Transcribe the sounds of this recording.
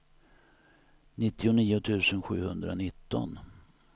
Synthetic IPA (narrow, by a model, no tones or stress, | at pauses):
nɪt̪ːɪʊniːʊt̪ʰʉ̟ːsənɧʉ̟ːhɵnd̪ɾa̰nɪt̪ːɔ̰n